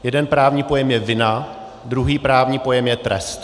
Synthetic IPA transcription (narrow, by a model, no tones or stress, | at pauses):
jɛdɛnpɾaːvɲiːpo̞jɛmjɛvɪna | d̪ɾuɦiːpɾaːvɲiːpo̞jɛmjɛt̪ɾɛ̰st̪